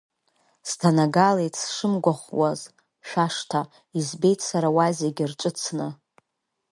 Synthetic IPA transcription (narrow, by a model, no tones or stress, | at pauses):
stʰanaɡalejtʰsʂɨmɡʷaχʷwaz | ʃᶣʷaʂtʰa | izbe̞jtʰsaɾawazeɡʲɪrʈ͡ʂʷʼɨt͡sʰnɨ